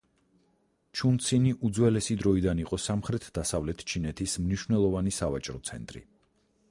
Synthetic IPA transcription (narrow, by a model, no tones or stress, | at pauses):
t͡ʃʰunt̪sʰiniʔud̪zwɛlɛsid̪ɾɔid̪aniqʼɔsamχɾɛt̪ʰd̪asavlɛt̪ʰt͡ʃʰinɛt̪ʰismniʃwnɛlˠɔvanisavat͡ʃʼɾɔt̪sʰɛ̰nt̪ʼɾḭ